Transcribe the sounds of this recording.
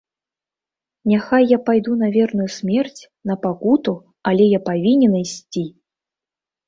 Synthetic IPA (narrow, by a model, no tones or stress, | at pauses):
nʲaxajːapajd̪unɐvʲɛrnujusʲmʲɛrt͡sʲ | nɐpakut̪u | alʲɛjapavʲinʲɛnɨjsʲt͡sʲi